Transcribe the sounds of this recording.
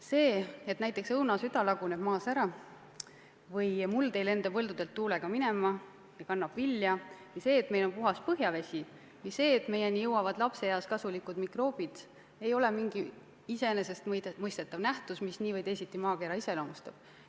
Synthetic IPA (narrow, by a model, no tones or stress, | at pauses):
se̞ːe̞t̪næjt̪ːˑe̞ksɤwnɑsyd̪ɑlɑɡ̥une̞b̥mɑːsæɾɑ | vɤjmult̪e̞jle̞nd̪̥ɑvɤld̪ud̪elt̪ːuːleɡ̥ɑmine̞mɑ | jɑkɑnːɑb̥vilːjɑ | ise̞ːt̪me̞jlo̞npuɦɑs̚pɤɦjɑve̞sʲi | misːe̞ːt̪me̞je̞nijɤwːɑvɑd̪̥lɑpse̞jɑskɑsulikud̪mikro̞ːb̥id̪̥ | e̞jo̞le̞miŋɡ̥i | ise̞ne̞se̞st̪mɤjst̪e̞t̪ːˑɑvnæht̪usmisniːvɤjd̪e̞jsʲit̪ːˑimɑːkeɾɑise̞lomust̪ɑb̥